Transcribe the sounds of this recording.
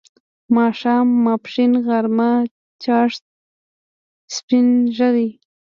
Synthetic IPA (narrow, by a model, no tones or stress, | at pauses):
mɑʃɑːmːɑpʂinɣaɾma | t͡ʃɑʂt̪̚ | spɪnʒad̪i